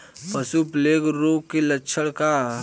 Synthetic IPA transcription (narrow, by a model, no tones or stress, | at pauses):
pəsupleːɡɾoːkelɐtːʃʰəɽka